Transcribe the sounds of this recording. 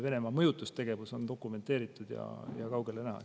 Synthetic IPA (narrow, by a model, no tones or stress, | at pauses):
ve̞ne̞mɑmɤ̞jut̪ˑːust̪e̞ɡ̥e̞vuso̞nt̪o̞kːˑume̞nt̪ːˑe̞ːɾit̪ːˑud̪̥jɑ̰jɑ̰kɑwɡ̥e̞lenæɦɑ̰